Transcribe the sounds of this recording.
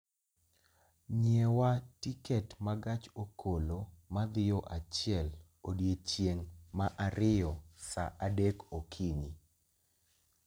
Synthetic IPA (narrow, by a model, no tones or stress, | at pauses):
ɲɛwatikɛtmaɡat͡ʃokʰolomad̪ɪjoʔat͡ʃɪɛl | odjet͡ʃjeŋmaʔaɾɪjɔsa̰ʔadekokʰiɲi